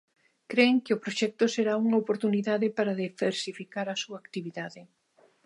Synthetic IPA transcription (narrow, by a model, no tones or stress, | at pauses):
kɾeŋkɪʊpɾoʃɛk̚t̪ʊseɾauŋɐopoɾt̪uniðaðɪpaɾɐðefeɾsifikaɾɐsuɐːkt̪iβiðaðɪ